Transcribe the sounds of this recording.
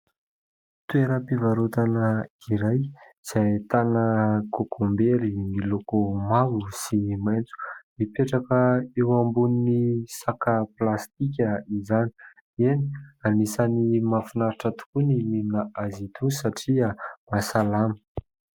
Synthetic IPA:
t̪ueɾəpivaɾut̪anəiɾaj | z̥ajt̪anəkokʰombeɾimilokomawusimajnt͡su̥mipeʈ͡ʂakəewambuninisakaplast̪ik̬ʲəizani̥ | eni̥anisanimafunaɾiʈ͡ʂət̪u̥kunimininəazit̪usaʈ͡ʂiamasalamə̥

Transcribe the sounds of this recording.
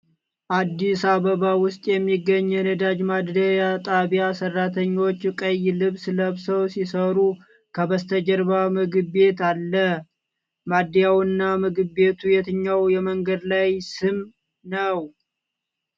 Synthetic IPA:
ʔad̪ːisaβəβawʊst̪ʼjɛmːiɡːəɲːɛnəd̪ad͡ʒmad̪d̪əjat̪ʼaβjasərːat̪ʰəɲːo̞t͡ʃːkʼəjːlɨβsɨləβsəwsisəɾu | kʰəbəst̪ʰəd͡ʒəɾbamɨɡɨbe̞t̪alːə | mad̪ijawɨnːamɨɡɨβe̞t̪ʰujɛt̪ʰɨɲːawjɛməŋɡəd̪lajsɨm | nəw

